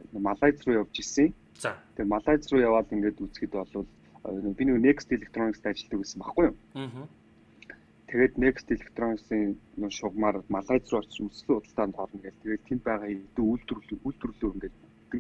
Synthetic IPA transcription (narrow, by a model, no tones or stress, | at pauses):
maɮaːt͡srʊːjawt͡ɕisɘ̆ŋ | t͡st̪ʰemaɮaːt͡srʊːjawaːɮiŋɡeːt̪ut͡sɡĭt̪ɔɮɞ̆ɮ | npʲininekst̪eɮek̚ʰt̪rɔnikst̪ʰːat͡ɕɪ̆ɬt̪ə̆kesɘ̆mpaχɡujʊm | t̪ʰeɣeːt̪nekst̪eɮek̚ʰt̪rɔniksiːŋnʃʊʁmaːrmaɮaːt͡srʊːɔr̥t͡ɕ̆musɮŭːʊt̪ə̆ɬt̪aːnt̪ʰɔɾə̆nɡeɮt̪ʰeɣeːtt̪ʰem̚pæːʁaːxet̪ŭuɮt̪ruɬt̪̆ruɮuːiŋɡeːta | t̪ːɘ̆